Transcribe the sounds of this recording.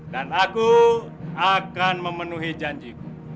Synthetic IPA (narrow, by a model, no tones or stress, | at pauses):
danaku | akanməmənuɦid͡ʒaɲd͡ʒiku